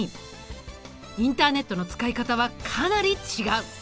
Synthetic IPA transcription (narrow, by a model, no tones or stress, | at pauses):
i | ĩnt̪aːne̞t̪ːo̞no̞t͡sɨ̥kaikat̪aβakʰanaɾʲit͡ɕiɡaɯ̟